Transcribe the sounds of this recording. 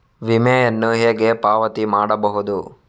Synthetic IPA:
ʋimɛjɐnːuɦeːɡe̞paːʋɐt̪imaːɽɐbɐɦud̪u

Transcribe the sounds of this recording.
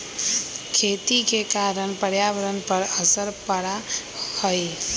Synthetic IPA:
kʰet̪ikekaɾəɳpəɾjaʋəɾənpəɾəsəɾpəɽa | hoj

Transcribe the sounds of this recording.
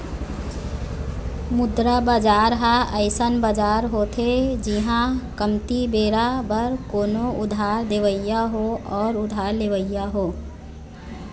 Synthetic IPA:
mʊd̪ɾabəd͡ʒaːɾɦaəɪsənbəd͡ʒaːɾɦot̪ʰed͡ʒiɦãkəmt̪ibeːɾabəɾkoːnoʊd̪ʱaːɾd̪eʋəɪjaɦoɔːɾʊd̪ʱaːɾleʋəɪjaɦoː

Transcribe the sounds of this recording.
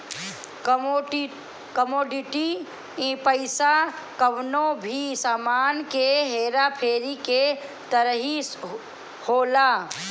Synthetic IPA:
kəmoːɖiʈi | ĩpəɪsa | kəʋnobʱisaːmaːnkeɦeːɾapʰeːɾike | t̪əɾɦis | hoːla

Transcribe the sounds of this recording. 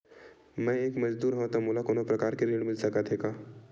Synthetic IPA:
mɛ̃eːkmɐd͡ʒd̪uːɾɦõt̪amoːlakoːnõpɾɐkaːɾkeɾeːɽmɪlsɐkət̪ɦeːkaː

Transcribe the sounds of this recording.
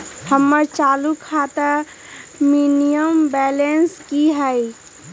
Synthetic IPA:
həmːəɾt͡ʃaːlukʰaːt̪ə | minijəmbɛːlenskiɦɛi

